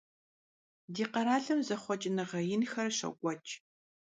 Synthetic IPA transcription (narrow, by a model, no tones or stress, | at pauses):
diːqɐɾaːɮɐmzɐχʷɔt͡ʃʼɪnɐʁɐjɪnxɐrɕɐ̰kʷʼɔt͡ʃʼ